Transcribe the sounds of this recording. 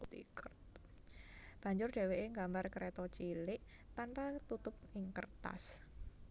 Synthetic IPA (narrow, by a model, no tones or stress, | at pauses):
t̪ḭkət̪ | b̥ä̤ɲd͡ʒʊrɖ̥e̤weʔeŋɡambarkɾet̪ɔt͡ʃilɪʔ | t̪anpat̪ut̪ʊp̚ɪŋkə̰rt̪a̰s